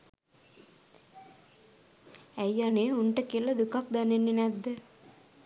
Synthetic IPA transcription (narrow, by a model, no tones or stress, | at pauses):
æjːaneːuɳʈəkiələd̪ukak̚d̪anenːenæd̪ːə